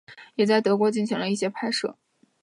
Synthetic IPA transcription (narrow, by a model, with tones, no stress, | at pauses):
jɛ˨˩t͡sa˥˩ɪt̪ɤ˧˥k̬wɔ˧˥t͡ɕi˥˩nɕi˧˥ŋlə˧i˥˩ɕjɛ˥pʰa˥˧ɪʂɤ̰˥˩